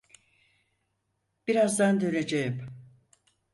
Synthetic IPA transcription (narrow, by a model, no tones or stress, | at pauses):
b̥iɾazd̪and̪ø̞ned͡ʒejim